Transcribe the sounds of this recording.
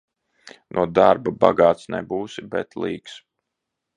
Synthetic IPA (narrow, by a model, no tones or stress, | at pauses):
nʔuɔd̪aɾbaba̰ɡaːt̪snɛ̰buːsibɛ̰t̪lˠiːks